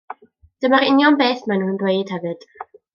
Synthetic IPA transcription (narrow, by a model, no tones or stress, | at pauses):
d̥əmaɾɪnjɔmbeːθmanuːnbrejd̥hɛvɨd̥